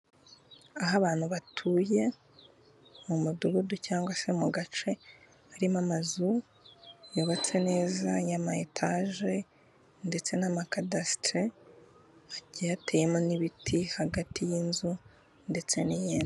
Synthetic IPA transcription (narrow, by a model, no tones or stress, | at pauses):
aɦaβaːn̥huβatʰuːje̞ | mumuduɡuducaːŋɡwase̞muɡat͡ʃe̞ | aɾimamazu | joβat͡se̞ne̞ːzajamaetʰaʒe | nde̞t͡se̞namakadastɾe | aɟijateje̞moniβitʰihaɡatʰijinzu | nde̞t͡se̞nijeːn